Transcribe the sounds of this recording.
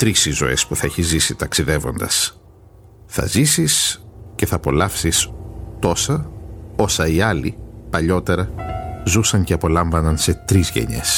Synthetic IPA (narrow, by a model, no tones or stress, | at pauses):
t̪ɾisizo̰e̞̰spuθɐe̞çizisit̪ɐksiðe̞vo̞nd̪ɐ̰s | θɐ̰zisisce̞θɐːpo̞lɐfsist̪o̞sɐo̞sɐiɐlḭpɐʎo̞t̪e̞ɾɐzusɐɲce̞ɐpo̞lɐɱvɐnɐnse̞t̪ɾizʝe̞̰ɲe̞̰s